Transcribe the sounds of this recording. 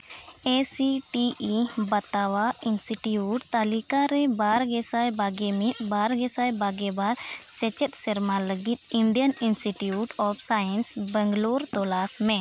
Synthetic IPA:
esiʈiʔibat̪awainsiʈiuʈt̪alikaɾɛbaɾɡɛsajbaɡɛmit̪̚ˀbaɾɡɛsajbaɡɛbaɾ | t͡ʃɛt͡ʃɛt̪̚sɛɾmaləɡit̪̚inɖijəninsiʈiuʈɔbʰsajɛnsbəŋɡluɾt̪ɔlasmɛ̃

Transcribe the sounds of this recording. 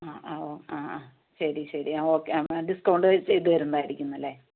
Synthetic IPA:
aːaoaːaː | ɕɐɾiɕɐɾḭaoːkːeaɖiskɐɳɖɨt͡ɕeðɨʋɐɾunːaːjiɾikʲːunːɐlːe

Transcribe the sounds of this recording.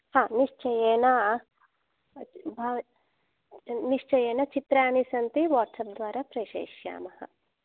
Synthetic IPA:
hãːniʂt͡ʃɐjeːnɐ | bʱaʋ | niʂt͡ʃɐjeːnɐt͡ʃit̪ɾaːɳisɐnt̪iʋaːʈsɐp̚d̪ʋaːɾaːpɾɐjʃḛːʃja̰ːmɐhɐ̰̆

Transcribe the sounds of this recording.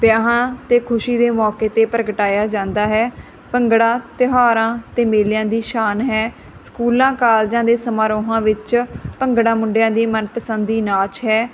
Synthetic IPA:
pjaːɦãːt̪eːkʰʊʃiːd̪eːmɔːkeːt̪eːpəɾəɡəʈaːjaːd͡ʒãːnd̪aːɦɛː | pəŋɡɽãːt̪ɪɦaːɾãːt̪eːmeːljãːd̪iːʃaːnɦɛː | skuːlãːkaːld͡ʒãːd̪eːsəmaːɾoːɦãːʋɪt͡ʃpəŋɡɽãːmʊ̃ɳɖjãːd̪iːmənpəsənd̪iːnaːt͡ʃɦɛː

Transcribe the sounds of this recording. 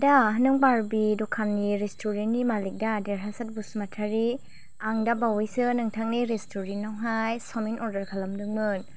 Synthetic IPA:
daɦɯnɯŋbaɾbidɔkʰanniɾestʰoɾenimalik̚dadeɾɦasat̚busmatʰaɾi | aŋdabawijsɯnɯŋtʰaŋ̚niɾestʰoɾenːawɦajsɔminʔɔɾdɐɾkʰalɐmdɯŋmɯn

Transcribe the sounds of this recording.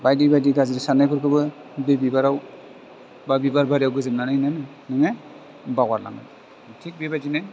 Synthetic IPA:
bajdibajdiɡaziɾisanajpʰɯɾkʰɯbɯ | bebibaɾaw | babibaɾbaɾiawɡɯzɯmnanananɯ | nɯŋe | baɡwaɾla̰ŋa̰t | tʰik̚bebad͡ʒina

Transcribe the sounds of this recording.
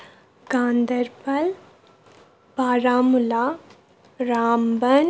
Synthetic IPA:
ɡãːnd̪ɐɾpɐl | baːɾaːmulaː | ɾaːmbɐn

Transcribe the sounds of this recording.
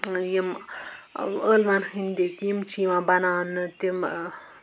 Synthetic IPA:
jim | əːlmanhɨnd̪ekjimt͡ʃiːʋãːbɐnaːnɨt̪im

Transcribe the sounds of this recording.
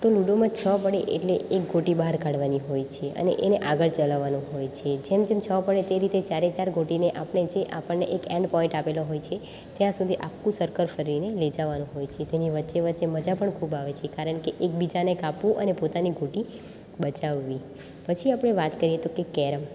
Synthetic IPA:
t̪oluɖomãt͡ʃʰəpəɽeʔḛʈleʔek̚ɡʱoʈibəɦaɾkaɽʋaniɦojt͡ʃʰeə̰nḛʔeneʔaɡəɭt͡ʃəlaʋanũɦojt͡ʃʰed͡ʒemd͡ʒemt͡ʃʰəʋapəɽet̪eɾit̪et͡ʃaɾet͡ʃaɾɡʱoʈineʔapəɳ̃ed͡ʒeʔapəɳneʔekɛ̃ɳɖpɔɪ̃ɳʈapeloɦojt͡ʃʰe | t̪jãsud̪ʱiʔakkũsəɾkəɾfəɾiɾineled͡ʒaʋanũɦojt͡ʃʰet̪eniʋətːʃeʋətːt͡ʃeməd͡ʒapəɳkʰubaʋet͡ʃʰekaɾəɳkeʔek̚bid͡ʒanekapʋũʔənepot̪aniɡʱoʈi | bət͡ʃaʋːi | pət͡ʃʰiapɽ̃eʋat̪kəɾiet̪okekɛɾəm

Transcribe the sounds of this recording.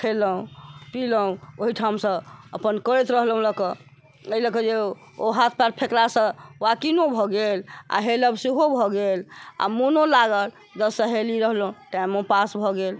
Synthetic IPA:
kʰeləũpiləũoɦiʈʰamsə̃əpənkəɾet̪ɾəɦlɦũləkɔ | eiləkəd͡ʒe | oɦat̪ʰpaɾpʰeklasə̃akinobʱɔɡela̰ɦeləbsuɦobʱɔɡela̰munolaɡəl | d͡ʒ̪əsəɦeliɾəɦlũʈajmopasbʱɔɡel

